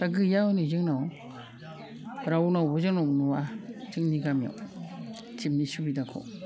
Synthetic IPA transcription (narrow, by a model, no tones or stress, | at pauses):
taɡɯjanizɯŋnaw | ɾawnawbɔzɯŋnawnuwad͡ʒɯŋniɡamja̰w | t͡ʃimnisubidakʰɔ̰w